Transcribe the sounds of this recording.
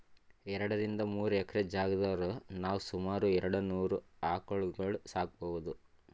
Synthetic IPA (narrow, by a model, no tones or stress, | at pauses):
ɛɾɐɽɐɾind̪ɐmuːɾuɛkɐɾed͡ʒaːɡɐd̪ɐːɾonaːʋusumaːɾuɛɾɐɽɐnuːɾuaːkoɭɡɐɭusaːk̚ɐbɔʋud̪u